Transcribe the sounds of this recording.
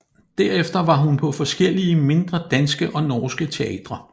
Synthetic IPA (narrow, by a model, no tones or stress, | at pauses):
d̥æɐefd̥ɐʋɑ̈ɦunpʰɒ̽fɒ̽sɡ̥el̰iəme̝nd̥ʁɐd̥ænsɡ̥əʔɒ̽nɒːsɡ̥ət͡sʰe̝ɛ̰ːd̥ʁɐ